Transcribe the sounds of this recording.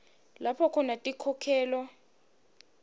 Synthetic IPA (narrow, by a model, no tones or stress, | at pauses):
lapʰɔkʰɔnatʼikʰɔkʰɛːlɔ